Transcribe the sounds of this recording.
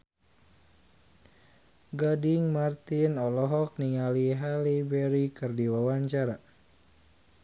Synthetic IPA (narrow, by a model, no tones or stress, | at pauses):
ɡadiŋmart̪inɔlɔɦɔk̚niŋaliɦalibɛɾikɨrdiwawaɲt͡ʃaɾa